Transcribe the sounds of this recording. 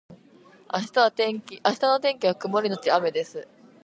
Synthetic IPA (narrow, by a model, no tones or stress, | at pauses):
aɕi̥t̪aβat̪ẽ̞ŋkʲiʔaɕi̥t̪ano̞t̪ẽ̞ŋkʲiβakɯ̟moɾʲinot͡ɕiame̞d̪e̞sɨ